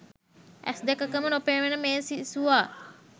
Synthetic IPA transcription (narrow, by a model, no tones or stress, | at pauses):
æ̰sd̪ɛkəkəmənopeːʋenəmeːsisuʋaː